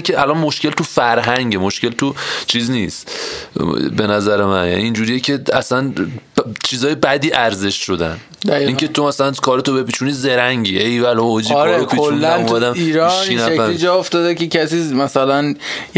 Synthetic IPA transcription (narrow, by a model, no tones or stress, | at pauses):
cʰʲeʔælɒnmoʃce̞lt̪ufæɾɦæŋɟemoʃce̞lt̪ʰut͡ʃʰiːzniːst̪ | be̞næzæɾemænjæ̰niːnd͡ʒuːɾiːjecʰe̞æ̰sæn | t͡ʃʰiːzɒːjebæd̪iːʔæɾze̞ʃʃo̞d̪æn | æiːŋke̞t̪ʰomæsælænkʰɒːɾet̪ʰobepiːt͡ʃʰuniːze̞ɾæŋɟiːʔejvælood͡ʒiiɾeɾekʰiot͡ʃlːæænmumæd̪æmiːɾɒʃiːnæeæed͡ʒɒːoft̪ɒːd̪ekecʰæsiːmæsælænj